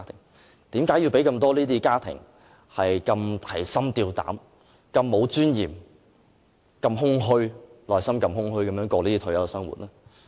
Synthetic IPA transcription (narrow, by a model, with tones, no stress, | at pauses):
t̪ʰɪ˨˩ŋ | t̪iː˨˥mkaː˨˥jiː˨˧wpe˨˥jkɐ˧mt̪ɔː˥liː˥t̪iː˥kaː˥t̪ʰɪ̰˨˩ŋ | hɐ˨jkɐ˧mt̪ʰɐ˨˩jsɐ˥mt̪iː˧wt̪a̰ː˨˥m | kɐ˧mːo˨˥wt͡ʃyː˥njiː˨˩m | kɐ˧mɦʊ˥ŋɦɵ˥ɥlɔː˨jsɐ˥mkɐ˧mhʊ˥ŋɦɥkɐ˨˥mjœː˨˥ŋkɔː˧liː˥t̪i˥t̪ʰɵ˨˥jɐ˨˧sɐ˥ŋwṵ˨t̚nɛː˥